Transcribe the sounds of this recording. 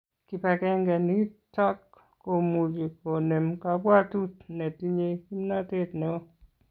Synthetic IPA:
ki˨pɛ˨kɛ˦ŋɡɛ˨ni˦tɔ˦kː | o˨mu˨d͡ʒi˨ko˨ne˨mka˨bwa˦tu˦tnɛ˨ti˦ɲe˦i˦na˦te˦tnɛ˨o˦

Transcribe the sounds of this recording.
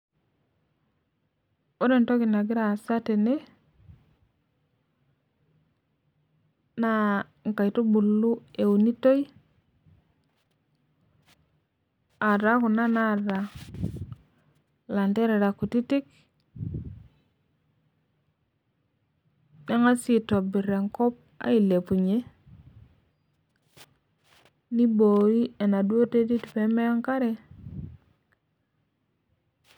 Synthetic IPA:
o˦ɾe˨nto˦ɡi˨na˨ɡi˦ɾa˨sa˦te˨ne˦ | na˦ | ŋ˨ka˨jto˦bu˨lːu˦e˨u˨ni˦to˦j | a˨ɾa˨˦ku˨na˦na˦˨ɾa˨ | la˨nte˦ɾe˨ɾa˨ku˨ti˦ti˦k̚ | ne˦ŋa˦si˦to˨bi˨ɾe˨ŋkɔ˦p̚a̰˦i˨le˨pu˨ɲe˦ | ni˦bo˨i˦e˨na˨dwo˦te˦ti˦ti˨pe˨˦me˦a˦ŋka˦ɾe˦

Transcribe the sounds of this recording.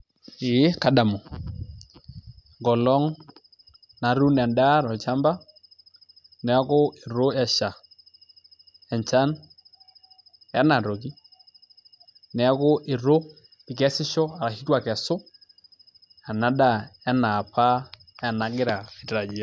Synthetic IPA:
ɪ˨˦ka˨˦da˨mɔ˨ | ŋɡɔ˨lɔ˦ŋ | na˨ɾu˦nɛ˨nda˦ɾɔ˨lt͡ʃa˦mba˦ | nɛ˨˦kʊ˦ɪ˨ɾʊ˦ɛ˦ʃa˨ | ɛ˨ɲt͡ʃa˦n | ɛ˦na˨ɾo˨ki˦ | nɛ˨˦kʊ˦ʔɪ˨ɾo˦ | ɪ˨k̬ɛ˦sɪ˦ʃɔ˦a˨ɾa˨ki˦twa˨kɛ˨sʊ˦ | a˨na˦da˦˨ɛ˦na˨pa˦ | ɛ˨na˨ɡɪ˦ɾa˨i˨tɾa˨d͡ʒi˨˦a˦

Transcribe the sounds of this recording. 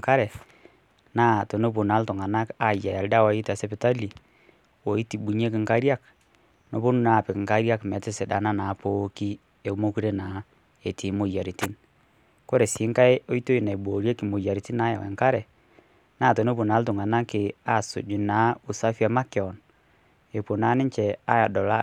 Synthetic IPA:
ka˦ɾɛ˨ | naː˦˨to˨no˦pu˨na˨˦ltʊ˨ŋa˨na˦ka˨ja˨ja˨lda˦wa˨˦i˦ta˨sɛ˦pɪ˨ta˦li˨ | wo˨˦i˦ti˨ɓu˨ɲe˦kɪ˨ŋka˦ɾja˦k | no˨po˦nu˦na˨pɪ˨kɪ˨ŋka˦ɾja˦kmɛ˨tɪ˦se˨da̰˨na˦na˨˦po˦ki˦ | e˨˦mo˦ku˦ɾe˦na˨˦ | e˨tʰi˨˦mo˨ja˨ɾi˨ti˦n | ko˦ɾe˨sɪ˨˦ŋka˦jo˦i˦to˦i˨na˨i˨bo˨ɾje˦ki˨mo˨ja˨ɾi˨ti˦na˦ja̰˨wḛ˨ŋka˦ɾɛ˨ | na˦˨to˨no˦po˨na˨˦ltʊ˨ŋa˨na˦kɪ˨a˦˨sʊ̰˨d͡ʒu˨na˨˦ʊ˨sa˦fi˦a˦ma˦ke˨ɔ˨n | e˨po˨naː˦nɪ˦ɲt͡ʃɛ˨a˦ja˨dɔ˨la˦

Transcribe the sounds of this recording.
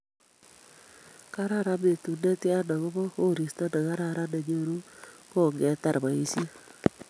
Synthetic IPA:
ka˦ɾa˦ɾa˦me˨tu˨ne˦tɪ˦a˦na˨ɣo˦βo˦ho˦ɾi˨sta˦na˨ɣa˦ɾa˦ɾa˦ne˨ɲo˦˨ɾu˦ko˦˨ŋɡɛ˨˦ta˦˨ɾba˨i˦sje˦

